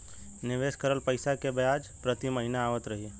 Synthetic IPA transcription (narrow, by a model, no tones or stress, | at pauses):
nɪʋeːʃkəɾəlpəɪsakebejaːd͡ʒpɾət̪iməɦinaaːʋət̪ɾɐɦi